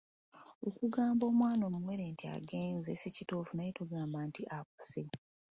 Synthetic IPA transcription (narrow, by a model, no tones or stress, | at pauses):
okuɡaːmbo̞ːmwaːno̞ːmuwe̞ɾeːntia̰ɡe̞ːnzesicitofunajituɡaːmbaːntiʔak̚u̥se